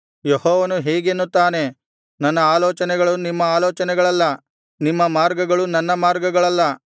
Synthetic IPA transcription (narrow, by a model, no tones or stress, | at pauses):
jehoːʋɐnuɦeːɡenːut̪ːaːne̞ | nɐnːɐaːloːt͡ʃɐnɛɡɐɭunimːɐaːloːt͡ʃɐnɛɡɐɭɐlːɐ | nimːɐmaːɾɡɐɡɐɭunɐnːɐmaːɾɡɐɡɐɭɐlːɐ